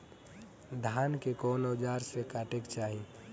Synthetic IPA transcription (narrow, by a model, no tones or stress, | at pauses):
d̪ʱaːnkekoːnod͡ʒaːɾsekaːʈekt͡ʃaːɦi